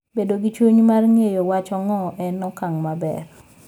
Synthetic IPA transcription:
bedoɡit͡ʃwuɲmarŋejowat͡ʃɔŋɔʔɛnɔkaŋmabɛ̰r

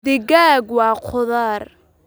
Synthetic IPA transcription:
d̪ɪɡaːɡwɑːqʰʊðaːr

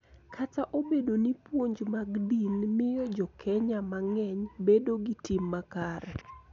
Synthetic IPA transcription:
kʰataʔobedonipwoɲd͡ʒmaɡdinmɪjɔd͡ʒɔkʰɛɲamaŋɛɲbedoɡitɪmːakaɾɛ

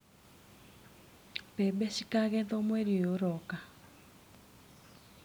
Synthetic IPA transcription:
pɛɓɛʃikaɣɛðɔmwɛɾioɾɔka

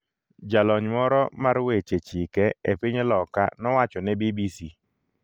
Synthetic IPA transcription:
d͡ʒalɔɲmɔɾɔmaɾwet͡ʃet͡ʃikɛepiɲlɔka̰nɔwat͡ʃɔnɛbibisi

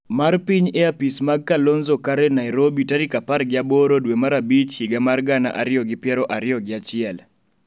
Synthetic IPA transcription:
marpiɲeapismaɡ̚kalonzokaɾɛnajɾobitaɾikapaɾɡɪabɔɾodwemaɾabit͡ʃhiɡamarɡana̰ʔaɾɪɔɡɪpjɛɾɔʔaɾɪɔɡɪat͡ʃɪɛl

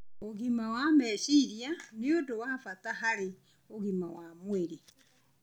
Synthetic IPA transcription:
oɣimawamɛʃiɾianeodowaːfataɦaɾe | oɣimawamweɾe

